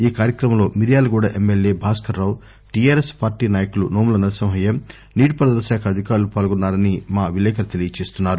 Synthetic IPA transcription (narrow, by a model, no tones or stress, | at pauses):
iːkaːɾjɐkɾɐmɐmlo̞ːmiɾijaːlɐkuːɽaːʔemːelje̞ːbʱaːskɐɾːɐːw | ʈijaːɾespaːɾʈiːnaːjɐkulunoːmulɐnɐɾsɐmɦɐjem | niːʈipɐɾɐd̪ɐɾʃaːkʰɐɐd̪ʱikaːɾulupaːlɐɡɔnːaːɾɐnimaːʋilɛːkɐɾɐt̪e̞lijɐt͡ʃe̞ːst̪unːaːɾu